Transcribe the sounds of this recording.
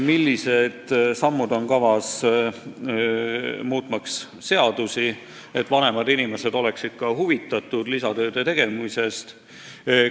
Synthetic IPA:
milːise̞d̪̥sɑmːud̪o̞nkɑvɑs | muːt̪ˑmɑks | se̞ɑd̪usi | e̞t̪ːˑvɑne̞mɑd̪inime̞se̞d̪o̞le̞ksid̪̥̚kɑɦuvit̪ːˑɑt̪ːˑud̪̥lisɑt̪ø̞ːd̪̥e̞t̪e̞ɡ̥e̞mise̞st̪

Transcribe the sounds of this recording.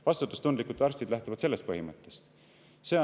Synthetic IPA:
vɑst̪ut̪ːˑu̥st̪und̪likut̪ːɑɾsʲt̪id̪̥læht̪uvɑd̪̥se̞lːe̞st̪̚pɤɦimɤt̪ːˑest̪ | se̞ː

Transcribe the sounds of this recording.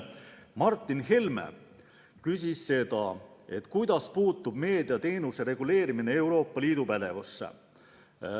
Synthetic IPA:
mɑrt̪ːˑinɦe̞lmḛ | kys̬ʲisːe̞d̪̥ɑ | e̞t̪kujd̪̥ɑspuːt̪ːˑub̥me̞ːd̪iɑt̪e̞ːnuse̞ɾe̞ɡ̥ule̞ːɾimine̞e̞wɾo̞ːpˑːɑliːd̪̥upæd̪̥e̞vusːḛ

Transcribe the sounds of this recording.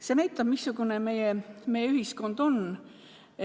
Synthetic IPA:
senæjt̪ˑːɑb̥misːuɡ̥uneme̞jeme̞jːeyhisko̞nd̪̥o̞n

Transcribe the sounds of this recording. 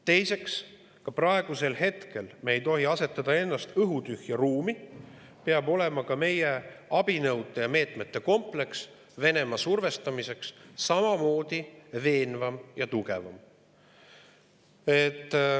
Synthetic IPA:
t̪e̞jse̞ks | kɑprɑe̞ɡ̥use̞lhe̞t̪ke̞lmeːjt̪o̞ɦiɑse̞t̪ːˑɑd̪ɑe̞nːɑst̪ɤɦut̪yhjɑruːmi | peɑbo̞le̞mɑkɑme̞jeɑb̥inɤwd̪̥ejɑme̞ːt̪ˑme̞t̪ːe̞ko̞mple̞ks | ve̞ne̞mɑsurve̞st̪ɑmise̞ksːɑmɑmo̞ːd̪̥ive̞ːnvɑmjɑt̪uɡe̞vɑm | et̪ː

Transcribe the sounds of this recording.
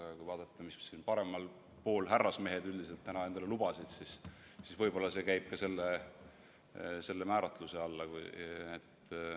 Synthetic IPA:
ɑkujvɑːd̪̥ɑt̪ːˑɑmissiːnpɑɾe̞mɑl | po̞ːlɦærːɑsme̞ɦe̞d̪yld̪ise̞lt̪ːænɑe̞nd̪̥ɑle̞lub̥ɑsid̪̥sis | sisvɤjb̥o̞lːɑse̞kæjb̥̚kɑse̞lːe | se̞lːemæːɾɑt̪ˑluse̞ɑlːɑkṵet̪ː

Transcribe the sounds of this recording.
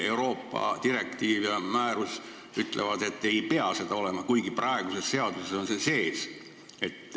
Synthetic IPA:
e̞wɾo̞ːpːˑɑ̰d̪̥iɾe̞kt̪iːvjɑmæːɾus | yt̪ˑlʔevɑd̪e̞t̪ːe̞jpe̞ɑse̞d̪̥ɑo̞le̞mɑkujɡiprɑeɡuse̞sse̞ɑd̪̥useso̞nse̞se̞ːs | e̞t̪ː

